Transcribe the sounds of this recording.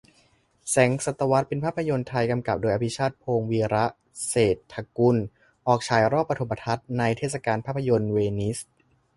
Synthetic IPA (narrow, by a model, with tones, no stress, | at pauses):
sɛ˩˦ŋsa˨˩t̪ːa˧wa˦˥t̪̚pe˧npʰaː˥˩pʰːa˧jo˧nt̪ʰa˧jka˧mka˨˩p̚doː˧jʔa˧pʰi˦˥t͡ɕʰaː˥˩t̪̚pʰoː˧ŋwiː˧ɾa˦˥ʔ | seː˨˩t̪ʰːa˧ku˧n | ʔɔː˨˩k̚t͡ɕʰaː˨˩jɾɔː˥˩pːɾʰo˩˦pːa˧t̪ʰa˦˥t̪̚na˧jt̪ʰeː˥˩t̪̚sa˧kaː˧npʰaː˥˩pʰːa˧jo˧nweː˧ni˦˥s